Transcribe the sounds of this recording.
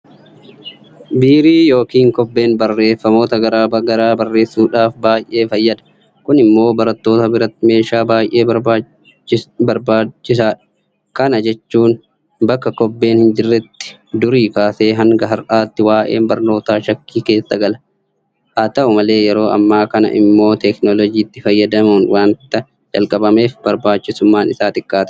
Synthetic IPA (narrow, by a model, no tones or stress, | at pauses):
biːɾiːjo̞ːkiːŋkɔbːe̞ːnbɐrːe̞ːfːɐmo̞ːt̪ɐɡɐɾaːbɐɡɐɾaːbɐrːe̞ːsːuːᶑaːfbaːjʔe̞ːfɐjːɐd̪ɐ̥ | kʊnɪmːo̞ːbɐɾɐt̪ːoːt̪ɐbɪɾɐt̪ːɪme̞ːʃaːbaːjʔe̞ːɐaː | bɐɾbaːt͡ʃːɪsaːᶑɐ̥ | kɐnɐd͡ʒɛt͡ʃːuːn | bɐkːɐkɔbːe̞ːnhɪnd͡ʒɪrːɛt̪ːɪ̥ | d̪ʊɾiːkaːseːɦɐŋɡɐɦɐɾʔaːt̪ːɪwaːʔeːnbɐɾno̞ːt̪aːʃɐkːiːke̞ːsːɐɡɐlɐ | haːt̪ɐʔʊmɐle̞ːjɛɾo̞ːɐ̰mːaːkɐnɐ̰ʔɪ̰mːo̞ːt̪ɛknɔlɔd͡ʒiːt̪ːɪfɐjːɐd̪ɐmuːnwʔaːnt̪ːɐ | d͡ʒɐ̰lkʼɐbɐme̞ːfbɐɾbaːt͡ʃːɪsʊmːaːnɪsaːt̪ɪkːaːt̪